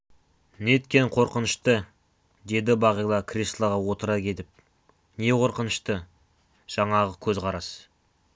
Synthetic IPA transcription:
net̪kʲe̞nqʰo̞ɾqənəʃt̪ə | d̪e̞d̪ɪbɑʁijlˠɑkʰʲrʲislˠɑʁɑwot̪əɾɑkʲʰe̞t̪ɪp̚ | ne̞qʰo̞ɾqənəʃt̪ə | ʒ̥ɑɴɑʁəkʲʰɵzqʰɑɾɑs

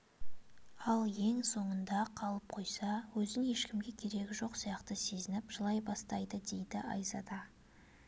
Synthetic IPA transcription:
ɑlˠje̞ŋso̞ɴənd̪ɑqʰɑlˠəp̚qʰo̞jsɑwɵzɪŋe̞ʃkʲɪmɡʲe̞kʲʰe̞ɾe̞kʲɪʒo̞qsijɑqt̪əse̞zɪnɪpʒ̥əlˠɑjbɑst̪ɑjd̪əd̪e̞jd̪ɪʔɑ̰jzɑd̪ɑ

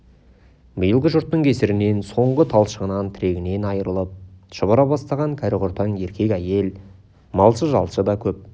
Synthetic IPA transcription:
mijəlˠɡəʒʊɾt̪ːəɴkʲʰe̞sɪɾɪne̞nso̞ɴʁət̪ʰɑlˠʃəʁənɑnt̪ʰɪɾe̞ɡʲɪne̞nɑjəɾəlˠəp̚ʃəbəɾɑbɑst̪ɑʁɑŋkʲʰæɾɪʁʊɾt̪ɑɴje̞ɾkʲʰe̞kʲæje̞l | mɑlˠʃəʒɑlˠʃəd̪ɑkʲʰɵp̚

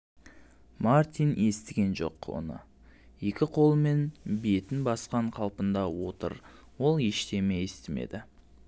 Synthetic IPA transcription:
mart̪ʲijne̞st̪ɪɡʲe̞nʒo̞̰qwo̰nə̰ | je̞kʲɪqʰo̞lˠəme̞nbe̞t̪ɪnbɑsqɑɴqʰɑlˠpənd̪ɑwo̞̰t̪ə̰ɾ | wo̞lˠje̞ʃt̪e̞mejest̪ɪme̞̰d̪ɪ

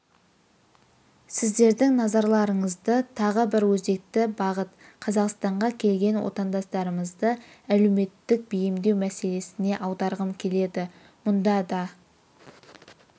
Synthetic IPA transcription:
sɪzd̪e̞ɾd̪ɪŋnɑzɑɾlˠɑɾəɴəzd̪ət̪ʰɑʁəbɪɾwɵze̞k̚t̪ɪbɑʁət̪̚qʰɑzɑqst̪ɑɴʁɑkʲʰe̞lɡʲe̞nwo̰t̪ɑnd̪ɑst̪ɑɾəməzd̪ə | æleme̞t̪ːɪk̚bijɪmd̪e̞wmæse̞le̞sɪne̞ʔɑwd̪ɑɾʁəmkʲʰe̞le̞d̪ɪ | mʊnd̪ɑd̪ɑ

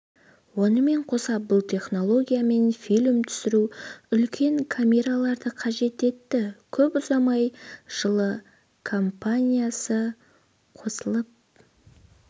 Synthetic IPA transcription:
wo̞nəme̞ɴqʰo̞sɑp̚bʊlˠt̪ʰe̞χno̞lˠo̞ɡʲijame̞nfilʲmt̪ʰʏ̥sɪɾuʏlkʲʰe̞ŋkʰamʲe̞ɾalˠɑɾd̪əqʰɑʒe̞t̪e̞t̪ːɪkʲʰɵpʊzɑmɑjʒ̥əlˠə | kʰo̞mpanʲijasə | qʰo̞səlˠəp̚

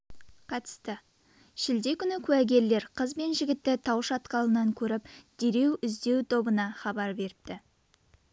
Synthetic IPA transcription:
qʰɑt̪ə̥st̪ə | ʃɪld̪e̞kʲʰʏnɪkʲʰʉæɡʲe̞ɾle̞ɾqʰəzbe̞nʒɪɡʲɪt̪ːɪt̪ʰɑwʃɑt̪qɑlˠənɑŋkʲʰɵɾɪpd̪̥e̞ɾe̞wʏzd̪e̞wt̪ʰo̞bənɑχɑbɑɾbe̞ɾɪp̚t̪ɪ

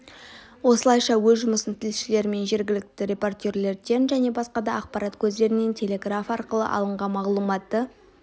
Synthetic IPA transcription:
wo̞səlˠɑjʃɑwɵzʒʊməsənt̪ʰɪlʃɪle̞ɾme̞nʒe̞ɾɡʲɪlɪk̚t̪ɪɾʲe̞po̞rt̪ʲeɾle̞ɾd̪e̞nʒæne̞bɑsqɑd̪ɑɑq̚pɑɾat̪kʲʰɵzd̪e̞ɾɪne̞nt̪ʲʰe̞lʲe̞ɡrafɑɾqəlˠə̰ʔɑ̰lˠəɴʁɑnmɑʁlˠumɑt̪ːə

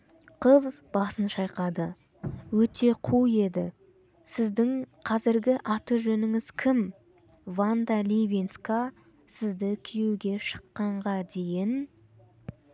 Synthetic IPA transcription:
qʰəzbɑsənʃɑjqɑd̪ə | wɵt̪ʰe̞qʰuje̞d̪ɪ | sɪzd̪ɪŋqʰɑzɪɾɡʲɪʔɑt̪əʒɵnɪŋɪz̥kʲʰɪm | vand̪alʲivʲinska | sɪzd̪ɪkʲʰijewɡʲe̞ʃə̥qːɑɴʁɑd̪e̞jɪn

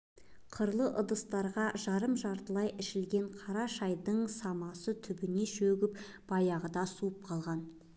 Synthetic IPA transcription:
qʰəɾlˠəʔʊd̪əst̪ɑɾʁɑʒɑɾəmʒɑɾt̪əlˠɑjʔɪʃɪlɡʲe̞ɴqʰɑɾɑʃɑjd̪əɴsɑmɑsət̪ʰʏbɪne̞ʃɵɡʲɪp | b̥ɑjɑʁəd̪ɑsuəp̚qʰɑlˠʁɑn

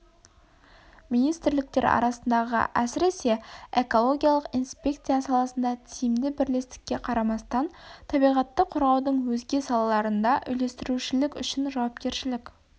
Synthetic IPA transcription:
mijnijst̪ɪɾlɪk̚t̪e̞ɾɑ̰ɾɑsənd̪ɑʁə̰ʔæsɪɾese̞e̞ko̞lˠo̞ɡʲijɑlˠəqinspʲe̞kt̪sijasɑlˠɑsənd̪ɑt̪ʰijɪmd̪ɪbɪɾle̞st̪ɪ̥kʲːe̞qʰɑɾɑmɑst̪ɑnt̪ʰɑbijʁɑt̪ːəqʰoɾʁɑwd̪əɴwɵzɡʲe̞sɑlˠɑlˠɑɾənd̪ɑʔʏjle̞st̪ɪɾuʃɪlɪkʲʏ̰ʃɪnʒɑwɑp̚kʲe̞ɾʃɪlɪkʲ

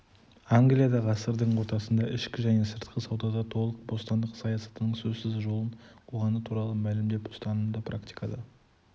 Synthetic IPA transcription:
aŋɡlijad̪ɑʁɑsəɾd̪əɴwo̞ɾt̪ɑsənd̪ɑʔɪʃkʲɪʒæne̞səɾt̪qʰəsɑwd̪ɑd̪ɑt̪ʰo̞lˠəq̚bo̞st̪ɑnd̪əqsɑjɑsɑ̥t̪ənəɴsɵzsɪzʒo̞lˠənʰoʁɑnət̪ʰuɾɑlˠəmælɪmd̪e̞pʊ̥st̪ɑnənd̪ɑpʰrakt̪i̥jkʰɑd̪ə

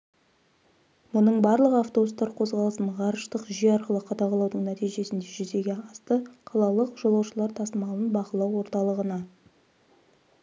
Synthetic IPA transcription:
mʊnəɴbɑɾlˠəʁəaft̪o̞bust̪ɑɾqʰo̞zʁɑlˠəsənʁɑɾəʃt̪əqʒijɑɾqəlˠəqʰɑd̪ɑqʰɑlˠɑwd̪əɴnæt̪ijʒe̞sɪnd̪e̞ʒʏze̞ɡʲe̞ɑst̪əqʰɑlˠɑlˠəqʒ̥olˠɑwʃəlˠɑɾt̪ʰɑsəmɑlˠənbɑqəlˠɑwːo̞ɾt̪ɑlˠəʁənɑ

